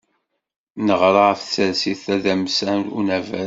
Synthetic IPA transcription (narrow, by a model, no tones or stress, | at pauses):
nəʁɾˤɑəft͡sːəɾsiθæðæmsænṵnævæ